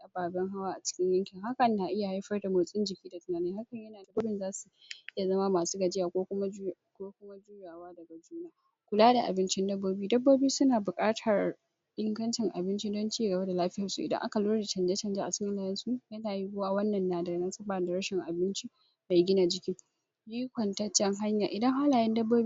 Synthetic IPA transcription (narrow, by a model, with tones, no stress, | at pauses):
a˦baː˨bɛ˦ŋɦa˦waː˦ʔa˨t͡ʃɪ̥˦kʲɪ˦ɲjɐ˦ŋkʲɪ˨ŋɦa˦kɐ˨n˦na˨ʔɪ˦ja˨ha˦jɸɐ˦rda˨mo˨sʼɪ˦nd͡ʒɪ˨kʲiː˦da˨tʊ˦naː˦ne˦ha˦kɐ˨ɲjɐ˦naː˨dɐ˦boː˦bɪ˦˨nzaː˦su˨ʔɪ˦ja˨zɐ˦ma˦maː˨su̥ː˦ɡɐ˨d͡ʒɪ˦jaː˨kʷoː˦kʷʊ˦ma˦ | kʷoː˦kʷʊ˦ma˦d͡ʒuː˦jaː˨waː˦dɐ˨ɡa˨d͡ʒuː˦n˦aː˦ | kʷʊ˨laː˦da˨ʔa̰˨bɪ˦nt͡ʃɪ˦ndɐ˦bːoː˦biː˦dɐ˦bːoː˦biː˦sʊ˦naː˨bʊ˨kʼaː˦tʰɐ˨r | ʔɪ˦ŋɡɐ˦nt͡ʃɪ˨ŋʔa˨bɪ˦nt͡ʃi˦dɔ˦nt͡ʃeː˦˨ɡɐ˨ba˦da˨laː˦ɸɪ˦jɐ˨sṵ˨ʔɪ˨dɐ̰˦ŋʔa̰˦ka˨loː˦ɾda˨t͡ʃɐ˨nd͡ʒa˦t͡ʃɐ˨nd͡ʒa˦ʔa˨t͡ʃɪ˦kʲɪ˦nlaː˨jɛ˦nsu˦jɐ˦naː˨ji˦ɡʷoː˦wa˦wɐ˦nːɐ˨nːaː˨dɐ˨ɡna˦sɐ˦baː˨da˨ɾɐ˦ʃɪ˨ŋʔa˨bɪ˦nt͡ʃi˦ | ma˨ɡʲɪ˦na˨d͡ʒɪ˨kʲi˦ | jiː˦kʷɐ˨ntɐ˦t͡ʃːɛ˦ŋɦa˦ɲjaː˨ʔɪ˨dɐ˦ŋɦa˦laː˨jɛ˦ndɐ˦bːoː˦bi˦